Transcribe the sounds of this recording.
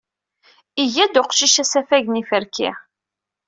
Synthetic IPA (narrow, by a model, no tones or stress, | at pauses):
iʝæd̪ʊqʃiʃæsæfæʝnifəɾkʰɪ̰